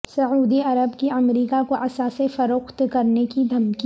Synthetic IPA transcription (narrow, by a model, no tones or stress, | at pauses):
sɐuːd̪iɐɾəbkiɐmɾiːkakoʔɐsasefɐɾʊxt̪kɐɾnekid̪ʱɐmki